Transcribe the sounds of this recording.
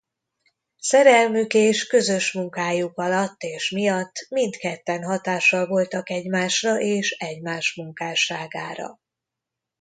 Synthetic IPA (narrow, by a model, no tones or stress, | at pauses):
sɛɾɛlmykeːʃkø̞zøʃmuŋkaːjukɒlɒt̪ːeːʃmijɒt̪ːmint̪kɛt̪ːɛnɦɒt̪aːʃɒlvo̞lt̪ɒkɛɟmaːʃrɒʔeːʃɛɟmaːʃmuŋkaːʃaːɡa̰ːɾɒ̰